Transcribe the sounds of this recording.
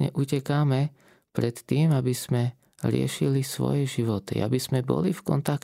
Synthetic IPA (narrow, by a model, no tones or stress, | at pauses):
ɲɛ̰ʔucɛkaːmɛ | pɾɛt̪ːiːmabiz̥mɛ | ɾɪɛ̰ʃilisʋɔ̰jɛʒiʋɔt̪ḭa̰biz̥mɛbɔ̰lifkɔ̰nt̪ak